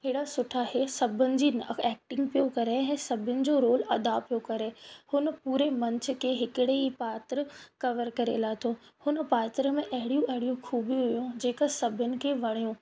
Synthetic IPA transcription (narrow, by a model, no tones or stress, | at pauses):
ɦɪːɽasʊʈʰaɦesɐbʱʊnɪ̆d͡ʑiːnɛːk̚ʈɪ̃ŋɡ̚pijokɐɾeɛ̃ːsɐbʱɪnɪ̆d͡ʑoɾoːlɐd̪apijokɐɾehʊnə̆puːɾemɐ̃ɲt͡ɕʰə̆kʰeːɦɪkɪɽeipaːt̪ɾəkɐʋəɾkɐɾḛlaːt̪ʰo | hʊnə̆paːt̪ɾəmẽʔɐɦɪɽijũʔɐɦɪɽijũkʰuːbiɦʊjũd͡ʑeːkəsɐbʱɪnɪ̆kʰeʋɐɽ̃ijũ